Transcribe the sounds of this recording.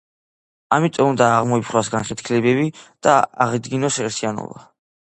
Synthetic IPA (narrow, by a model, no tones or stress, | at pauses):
amit̪ʼɔund̪aːʁmɔipʰχwasɡanχɛt̪kʰlɛbɛbid̪̥aaʁid̪ɡinɔsɛɾt̪ʰianɔ̰ba